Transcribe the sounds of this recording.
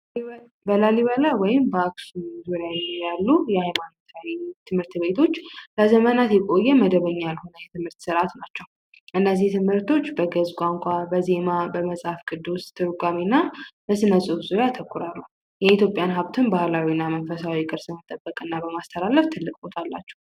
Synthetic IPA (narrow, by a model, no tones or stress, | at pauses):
bəlaliβəlawɔjɪmbəaksuzuɾjawɛnːojalːujɛhajmanot̪ʰawit̪ʰɨmhɨɾt̪be̞t̪ʰo̞t͡ʃːləzəmənat̪jɛkʼo̞jːɛməd̪əβəɲːalho̞nəjɛt̪ʰɨmhɨɾt̪sɨɾat̪nat͡ʃːɛw | ʔɨnːəziht̪ʰɨmhɨɾt̪ʰo̞t͡ʃːbəɡəzkʷʼaŋkʷʰʼabəze̞mabəməsʼafkʼɨd̪ːust̪ʰːɨɾɡʷaminːabəsɨnəsʼufzuɾjat̪ʰəkʰːuɾalːu | jɛit̪ʰjo̞pʼjanɦaβt̪ʰɨnbahlawinːamənfəsawikʼɨɾsmət̪ʼəbːəkʼɨnːabəmast̪ʰəɾaləft̪ʰɨlːɨkʼbo̞t̪ʰalːa̰t͡ʃːɛ̥w